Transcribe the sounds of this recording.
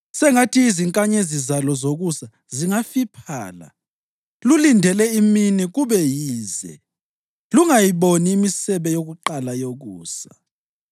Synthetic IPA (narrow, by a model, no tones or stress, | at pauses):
sɛŋatʰiːziŋkʼaɲezizalɔzoɣusa | ziŋafipʰa̰ːla̰ | lulindʱɛlɛiminiɣuβɛjiːzɛ̰ | luŋajiβoniːmisɛβɛjoɣuǃalajoɣuːsḁ